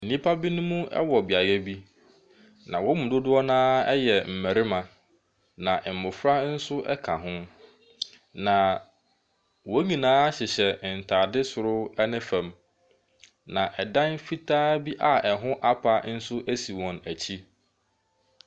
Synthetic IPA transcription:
n̩˨nĩ˦pʰa˦bi˦nʊ̃˦mũ˦ɛ̰˦wɔ˨bɪ˨a˨jɛ˦bi˦ | nã˨wɔ˦mũ˨dʊ˦dʊ˦ɔ˦nãː˦ɛ˦jɛ˨m̩˨mæ˨ɾɪ˦mã˨ | nã˨ʔɛ˨m̩˨mʊ̃˨fɾa˦n̩˦sʊ˦ʔɛ̰˦kʰa˨ɦʊ̃˦ | nã˨ | wɔ˦ɲĩ˨nãː˦ɕɪ˨ɕɛ˨n̩˨tʰaː˨dɪ˦sʊ˨ɾʊ˦ɛ˦nɪ̃˦fæ̃˨m | nã˨ʔɛ˨dã˦nfi˦tʰaː˦bi˦ʔa˨ɛ˨ɦʊ̃˦ʔa˦pʰa˨n̩˦sʊ˦ʔæ˦si˨wɔ̃˨næ˨t͡ɕʰi˦

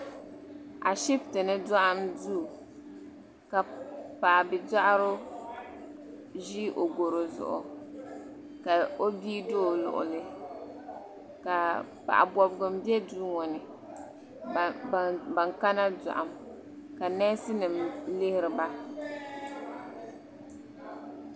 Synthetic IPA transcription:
a˨ʃi˦ptɨ˨nɨ˦dɔ˦ʔa˦mduː˦˨ | ka˨pa˨ʔbɪ˨da˦ʔa˦ɾo˦ | ʒi˦ʔo˨ɡo˨ɾo˨zʊ̰˨ʔʊ̰˨ | ka˨o˦biː˦doː˦˨lʊ̰˨ʔʊ̰˨lɨ˦ | ka˨ | pa̰˨ʔa̰˨bɔ˨bɡʊ˨m̩˦bjɛ˦duː˦ŋɔ˨nɪ˨ | ba˨ŋka˦na˦dɔ̰˨ʔa̰˨m | ka˨nɛ˦sɪ˦nɨ˨mlɪ˦hɪ˦ɾɨ˨ba˦

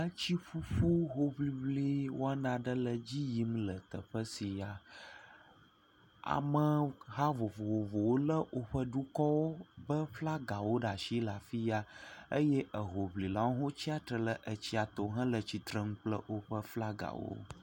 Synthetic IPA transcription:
ə˦t͡ɕi˦ɸu˦ɸu˦ɦo˦vli˨βli˦wo˦a˦nã˨ɖə˦lə˨d͡ʑi˦ji˦mlə˨t̪ə˨ɸə˦si˨a˨ | a̰˨mə˦ɦa˦vo˨vo˨ɦo˨vo˨wo˦lə˦wo˦ɸə˦ɖu˦kɔ˦wo˦bə˦fla˦ɡa˨wo˦ɖa˨ʃi˦la˨fi˦ja˨ə˦jɛ˦ʔə˨ɦo˨βli˨la˨˦wo˦ɦo˦t͡ɕi˦a˨t̪ɾə˨lə˨ʔə˨t͡ɕi˦a˨t̪o˨ɦə̃˦lə˨t͡ɕi˨t̪ɾə˦ŋũ˦k͡plə̰˦wo˦ɸə˦fla˦ɡa̰˨wo̰˦

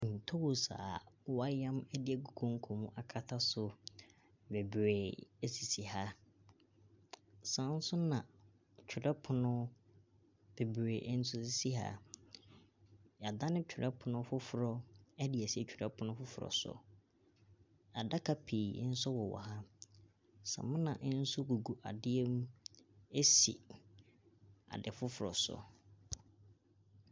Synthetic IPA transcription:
n̩˨tʰo˦wʊ˨sa̰ː˨˦a˦jã˦mɛ˦dɪ˨ɛ˨ɡu˨kʰõ˦ŋ̩˦kʰo˨mũ˦ʔa˨kʰa˦tʰa˦sʊ˨ | be˨bɾeː˨ɛ˦si˨si˨ha˦ | sã˨˦n̩˦sʊ˦nã˨ | t͡ɕᶣʰʊ˨dɛ˦pʰʊ˨nʊ̃˦ | b̥e˨bɾeː˨ʔn̩˦sʊ˦si˦si˦ɦa̰˦ | ja˨da˦nɪ̃˦t͡ɕʰᶣʊ˨ɾɛ˦pʰʊ˨nʊ̃˦fʊ˦fʊ˨ɾɔ˦ɛ˦dɪ˨ɛ˨si˦ɛ˦t͡ɕᶣʰʊ˨dɛ˦pʰʊ˨nʊ̃˦fʊ˦fʊ˨ɾɔ̰˨sʊ̰˦ | a˨da˦kʰa˨pʰiː˨ɪ̰˦n̩˦sʊ˦wɔ˨wɔ̰˨ha˦ | sa̰˨mʊ̃˦nã̰˨ʔɪ˦n̩˦sʊ˦ɡu˨ɡu˨ʔa̰˨dɪ˦ɛ˦m˦e˦sḭ˨ | a̰˨dɪ̰˨fʊ˦fʊ˨ɾɔ̰˨sɔ̰˨

